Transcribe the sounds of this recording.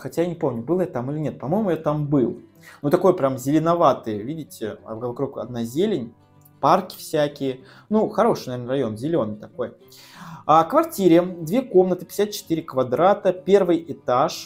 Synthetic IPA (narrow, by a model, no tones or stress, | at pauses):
xɐtʲajanʲɪpo̞mnʲʊbɨlˠjat̪amɨlʲɪnʲe̞t̪̚pɐmo̞jmʊjat̪ambɨlˠ | nut̪ɐko̞jpɾʲamzʲɪlʲɪnɐvat̪ɨjəvʲidʲɪtʲɪ̰vvɐkɾukɐ̰d̪nazʲelʲɪnʲ | parkʲɪ̥fsʲækʲɪjə | nuxɐɾo̞ʂɨ̥jnɐvʲeɾnərɐjo̞nzʲɪlʲo̞nɨjt̪ɐko̞j | akvɐrtʲiɾʲɪd̪vʲeko̞mnət̪ɨ̥pʲɪ̥sʲat̪̚t͡ɕɪ̥t̪ɨɾʲɪkvɐd̪ɾat̪əpʲe̞rvɨjɪt̪aʂ